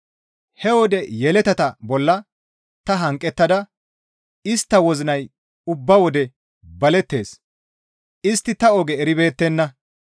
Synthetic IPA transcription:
hɛwɔd̪ɛjɛlɛt̪ɐt̪ɐbɔlːɐ | t̪ɐɦɐŋkʼːɛt̪ːɐd̪ɐ | ɪst̪ːɐwɔzɪnɐj | ʊbːɐwɔd̪ɛ | bɐlɛt̪ːe̞ːs | ʔɪst̪ːɪt̪ɐɔɡɛːɾɪbe̞ːt̪ːɛnːɐ

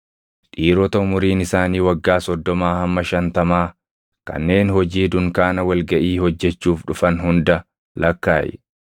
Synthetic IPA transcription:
ᶑiːɾɔt̪ɐʊmʊɾiːnɪsaːniːwɐɡːaːsɔd̪ːɔmaːhɐmːɐʃɐnt̪ɐmaː | kɐ̰nːe̞ːnhɔd͡ʒiːd̪ʊŋkaːnɐwɐlɡɐʔiːhɔd͡ʒːɛt͡ʃːuːfᶑʊfɐnɦʊnd̪ɐ | lɐkːaːjɛ̰

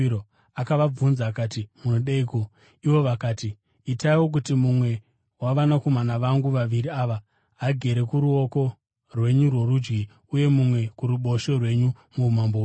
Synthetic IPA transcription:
o | akaʋab͡vunzakaːtimunoɗeiko̞ | iʋo̞ʋakaːti | itaiwo̞k̬utimumwe̞ | waʋanako̞manaʋaŋɡuʋaʋiɾiaʋaː | ɡʱe̞ɾe̞kuɾuo̞ko̞ | rwe̞ɲurwo̞rud͡ʒɡi | uje̞mumwe̞kuɾuɓo̞ʃo̞rwe̞ɲu | mumambo

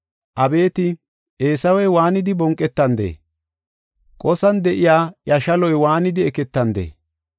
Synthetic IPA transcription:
ʔɐbe̞ːt̪ɪ | ʔeːsɐwɛjwaːnɪd̪ɪbɔŋkʼːɛt̪ːɐnd̪ḛː | kʼɔsɐnd̪ɛʔɪjaːjɐʃɐlɔjwaːnɪd̪ɪɛkɛt̪ːɐnd̪ḛː

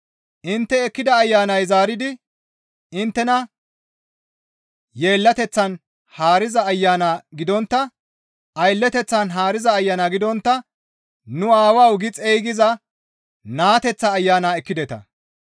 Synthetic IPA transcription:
ʔɪnt̪ːɛɛkːɪd̪ɐːjːaːnɐjzaːɾɪd̪ɪ | ɪnt̪ːɛnɐ | je̞ːlːɐt̪ɛt͡sːɐn | haːɾɪzɐːjːaːnaɡɪd̪ɔnt̪ːɐ | ʔɐjlːɛt̪ɛt͡sːɐnɦaːɾɪzɐːjːanaɡɪd̪ɔnt̪ːɐ | nʊaːwɐwɡɪt͡sʼejɡɪzɐ | naːt̪ɛt͡sːɐːjːaːnaːɛkːɪd̪ɛt̪ɐ̰

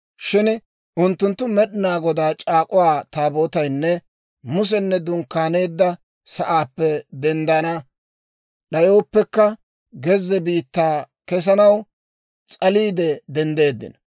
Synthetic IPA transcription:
ʃɪn | ʔʊnt̪ːʊnt̪ːʊmɛɗɪnaːɡɔd̪aːt͡ʃʼaːkʼʊwaːt̪aːbo̞ːt̪ɐjnːɛ | mʊs̬ɛnːɛd̪ʊŋkːaːne̞ːd̪ːɐ | sɐʔaːpːɛd̪ɛnd̪ɐnɐ | ɗɐjo̞ːpːɛkːɐ | ɡɛzːɛbiːt̪ːaː | kɛs̬ɐnɐw | t͡sʼɐliːd̪ɛd̪ɛnd̪e̞ːd̪ːɪ̰n

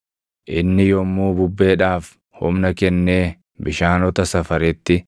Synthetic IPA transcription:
ʔɪnːɪjɔmːuːbʊbːe̞ːᶑaːf | hʊmnɐkɛnːeː | bɪʃaːnɔt̪ɐsɐfɐɾɪt̪ːɪ

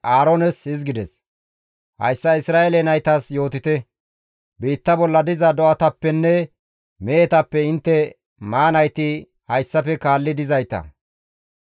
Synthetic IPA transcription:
ʔaːɾonɛshɪzɡɪd̪ɛs | hɐ̰jsːɐɪsɾaːʔɛlɛnɐjt̪ɐsjo̞ːt̪ɪt̪ɛ | biːt̪ːɐbɔlːɐd̪ɪzɐd̪ɔʔɐt̪ɐpːɛnːɛ | meːt̪ɐpːɛɪnt̪ːɛ | maːnɐjt̪ɪ | hɐjsːɐpɛkaːlːɪd̪ɪzɐjt̪ɐ̰

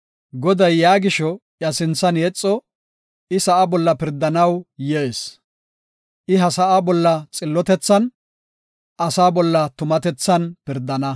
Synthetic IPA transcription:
ɡɔd̪ɐjːaːɡɪʃɔ | jɐsɪnt͡sːɐnjɛt͡sʼːɔ | ɪsɐʔabɔlːɐpɪɾd̪ɐnɐwjɛʔes | ʔɪɦɐsɐʔabɔlːɐt͡sʼɪlːɔt̪ɛt͡sːɐn | ʔɐsaːbɔlːɐt̪ʊmɐt̪ɛt͡sːɐnpɪɾd̪ːɐnɐ

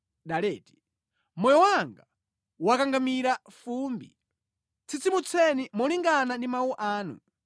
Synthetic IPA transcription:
ɗalɛːti̥ | mɔjɔwaŋɡa | wakaŋɡamiɾafumbḭ | t͡sʰit͡simut͡sʰɛnimɔliŋɡanandimawuʔaːnṵ

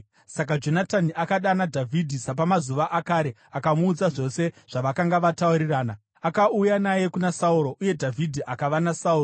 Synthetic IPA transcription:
sak̬ad͡ʒo̞nataniʔakaɗanadʱavʱidʱisap̬amazuʋaʔakaːɾe̞ | akamuːd͡zaʐo̞se̞ʐ̥aʋakaŋɡaʋatauɾiraːna | akaujanaje̞kunasauɾo̞ʔuje̞dʱavʱidʱiʔakaʋanasauːro

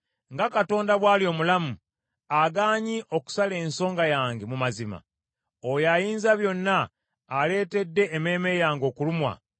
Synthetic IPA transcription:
ŋɡakato̞ːndaβwaːlio̞ːmulamu | aɡaːɲiʔo̞ku̥sale̞ːnso̞ːŋɡajaːŋɡemumazima̰ | ojajiːnzaβjo̞nːaː | le̞ːte̞dːe̞ːme̞ːme̞jaːŋɡo̞ːkulumwa̰

